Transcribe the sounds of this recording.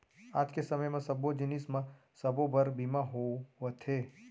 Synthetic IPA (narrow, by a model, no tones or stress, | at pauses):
aːd͡ʒkesɐməjmãsɐbod͡ʒɪnɪsmã | sɐbobɐɾbimaɦoʋət̪ʰɦeː